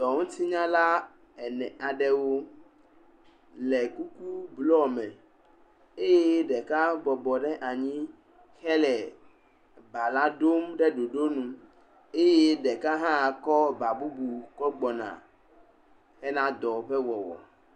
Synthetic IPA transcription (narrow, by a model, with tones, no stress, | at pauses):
d̪ɔ˨ŋũ˦t̪ʰi˦ɲã˦la˦ | ɛ˨nɛ̃˨ʔa˨ɖɛ˦wo˦ | lɛ˨ku˦ku˦blɔ˦mɛ̃˨ | e˦je˦ɖɛ˨ka˦bɔ˨bɔ˨ɖɛ˦ʔa˨ɲĩ˦ | xɛ˦lɛ˨ | ba˨la˦ɖo˦mɖɛ˦ɖo˨ɖo˦nũ˨ | e˦je˦ɖɛ˨ka˦ɦã˦˨kɔ˦ba˨bu˦bu˨kɔ˦ɡ͡bɔ˨nã̰˨ | xɛ˦nã˦d̪ɔ˨ɸɛ˦wɔ˨wɔ̰˨